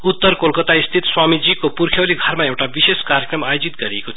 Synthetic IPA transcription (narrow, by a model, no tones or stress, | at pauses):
ut̪ːʌrkolkʌt̪aist̪ʰit̪swamid͡zikopuɾkʰjewliɡʱʌɾmaewʈabiseskaɾjekrʌmajod͡zit̪ɡʌɾieko